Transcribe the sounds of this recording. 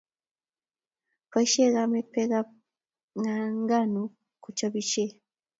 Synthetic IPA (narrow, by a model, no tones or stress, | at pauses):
paiʃeɡamepːeɡa | ŋaŋɡanu | kut͡ʃaβit͡ʃe